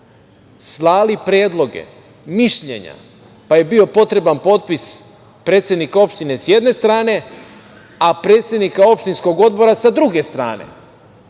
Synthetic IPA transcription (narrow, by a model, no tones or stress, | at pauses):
slˠaːlipɾjeːd̪lˠo̞ɡe̞̰ | miʃʎe̞̰ɲa̰ | paje̞bio̞po̞t̪ɾe̞banpo̞t̪̚pis | pɾe̞ːt̪sʲjed̪nikao̞pʃt̪ine̞sje̞d̪ne̞st̪ɾaːne̞ | apɾeːt̪sjed̪nikao̞pʃt̪insko̞ɡo̞d̪̚bo̞ɾasad̪ɾuɡe̞st̪ɾa̰ːne̞̰